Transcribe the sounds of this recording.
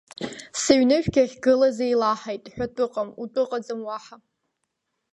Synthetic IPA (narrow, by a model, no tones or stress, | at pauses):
siɥnɨʃᶣɡʲaχʲɡɨlazejlaħajtʼħʷᶣatʷʼɨqʼamutʼɨqʼad͡zɨmwaħa